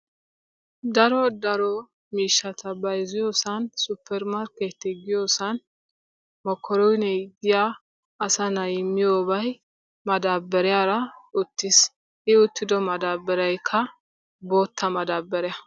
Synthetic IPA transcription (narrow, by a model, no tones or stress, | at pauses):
d̪ɐɾɔd̪ɐɾɔ | miːʃːɐt̪ʰɐbɐjzɪjoːsɐnsʊpʰːɛɾmaɾkɛt̪ːɛɡɪjoːsɐn | mɔkʰːɔɾɔjnɛɡɪja | ɐsɐnɐjɪmːɪjoːbɐj | mɐd̪aːbːɛɾɛjaːɾɐʊt̪ːɪs | ʔɪʊt̪ːɪd̪ɔmɐd̪aːbːɛɾɐjkʰːɐ | bo̞ːt̪ːɐmɐd̪aːbːɛɾɛjɐ